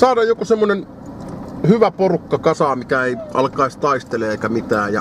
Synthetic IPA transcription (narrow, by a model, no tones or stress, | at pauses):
sɑːdɑːjjokusemːonen | hyʋæporukːɑkɑsɑːmikæeiʔɑ̰lkɑist̪ɑist̪eleeˑikæmit̪æːjjɑ̰